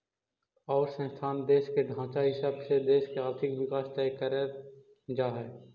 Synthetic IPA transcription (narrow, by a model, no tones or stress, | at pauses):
ɔːɾsə̃nst̪ʰaːnd̪eːʃkeɖʱãːt͡ʃaɦɪsaːbsed̪eːʃkeaːɾt̪ʰɪkʋɪkaːst̪aːjkəɾe | d͡ʒaːɦɛː